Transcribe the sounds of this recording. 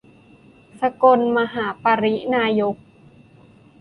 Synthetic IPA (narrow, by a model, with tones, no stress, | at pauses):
sa˧ko˧nma˧ɦaː˩˦paː˧ɾi˦˥naː˧jo˦˥k̚